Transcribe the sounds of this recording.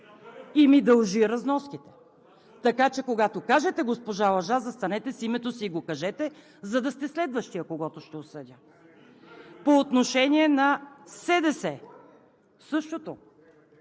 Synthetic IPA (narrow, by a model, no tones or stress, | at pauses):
imid̪ɐlˠʒiɾɐznɔskit̪ɛ̥ | t̪ɐkat͡ʃɛkoɡat̪okaʒɛt̪ɛɡospoʒalˠɐʒazɐst̪ɐnɛt̪ɛsimɛt̪osiːɡokɐʒɛt̪ɛ | zɐd̪ɐst̪ɛslɛd̪vəʃt̪ijəkoɡɔt̪oʃt̪ɛosɤdʲə | poːt̪noʃɛniɛnɐsɛd̪ɛsɛ | sɤʃt̪ot̪o